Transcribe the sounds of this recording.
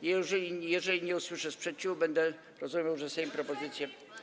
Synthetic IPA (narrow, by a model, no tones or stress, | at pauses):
jɛʐɛlʲijɛʐɛlʲiɲɛuswɘʂɛspʂɛt̪̚t͡ɕubɛnd̪ɛ | ɾɔzumʲjawʐɛsɛimpɾɔpɔzɘt̪sʲjɛ